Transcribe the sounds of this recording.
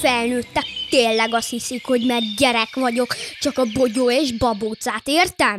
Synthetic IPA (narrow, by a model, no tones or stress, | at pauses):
fɛlnøːt̪ːɛkt̪eːlːɛɡɒst̪hisikho̞ɟmɛrɟɛɾɛkʋɒɟo̞kt͡ʃɒkɒbo̞ɟoːeːʒbɒboːt̪saːt̪eːrt̪ɛm